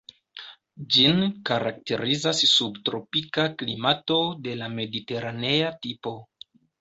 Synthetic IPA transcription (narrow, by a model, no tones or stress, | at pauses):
d͡ʒinkaɾak̚te̞ɾizasːubtɾo̞pikaklḭmato̞de̞lame̞dite̞ɾane̞atipo̞